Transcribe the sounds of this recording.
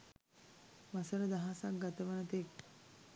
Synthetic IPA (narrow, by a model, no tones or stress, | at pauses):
ʋasəɾəd̪aɦasak̚ɡat̪əʋənət̪ek̚